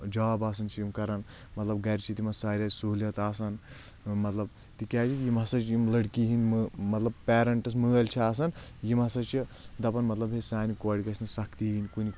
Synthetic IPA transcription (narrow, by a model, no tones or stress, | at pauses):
d͡ʒaːbaːs̬ɐnt͡ʃʰijimkɐɾɐn | mɐt̪lɐb̚ɡɐɾʲt͡ʃʰit̪imɐsaːɾʲɐsuːlʲɐt̪aːsɐnmɐt̪lɐb | t̪ikʲaːt͡ʃʰit̪jimɦɐsɐt͡ʃjimlɐɽkiɦinmmɐt̪lɐbpɛːɾɐɳʈɐs̬mɨːɐlʲt͡ʃʰiaːs̬ɐnjimɐsɐt͡ʃʰid̪ɐpɐnmɐt̪lɐbɦesaːnikoːɽʲikɐsʲnɐsɐkʰt̪iɦinʲkuni